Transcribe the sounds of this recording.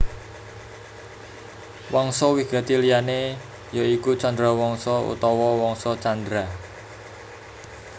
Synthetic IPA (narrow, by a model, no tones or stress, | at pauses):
wɔŋsɔwiɡ̥a̤t̪ilijane | jaikut͡ʃɔnd̪ɾawɔŋsɔṵt̪ɔwɔwɔŋsɔt͡ʃand̪ɾa